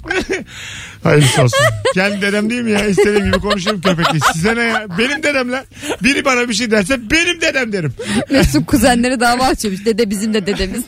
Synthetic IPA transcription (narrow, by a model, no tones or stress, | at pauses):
ha̰jiɾsasuncʰɛnd̪id̪e̞d̪æmd̪ejilmijaist̪eiːmɟibikʰo̞nuʃ̬uɾumcʰøp̬eclʲisizɛnɛjbe̞nimd̪e̞d̪æmlʲɛ | biɾibanabiʃ̬ejd̪æɾs̬ɛbe̞nimd̪ed̪æmd̪eɾimmesukʰuzænlʲe̞ɾid̪aavaːt͡ʃʰimuʃd̪ed̪ɛbizimd̪ɛd̪ed̪emiz̥